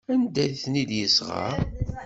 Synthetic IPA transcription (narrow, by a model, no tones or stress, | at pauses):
ænd̪æjθnid̪jəsʁɑ̰